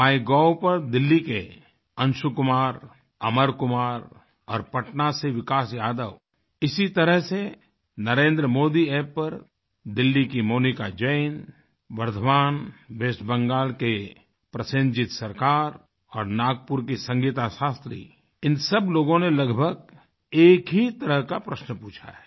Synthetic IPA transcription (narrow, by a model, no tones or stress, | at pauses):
aːiɡɔːwpəɾd̪ɪlːike | ə̃nʃukʊmaːɾ | ɐməɾkʊmaːɾ | ɔːɾpəʈnaseʋɪkaːsjaːd̪əʋ | ɪsit̪əɾəɦse | nəɾẽːnd̪ɾəmoːd̪ieːəɾ | d̪ɪlːikimoːnikad͡ʒəɪn | ʋəɾd̪ʱʋaːnʋeːʃbə̃ŋɡaːlke | pɾəsə̃ɲd͡ʒɪt̪sɐɾkaːɾ | ɔːɾnaːɡ̚pʊɾkisə̃ŋɡiːt̪aʃaːst̪ɾḭ | ɪnsəbloːɡõnelɐɡbʱəɡ | eːkɦit̪əɾəɦkapɾəʃnpuːt͡ʃʰa̰ɦɛː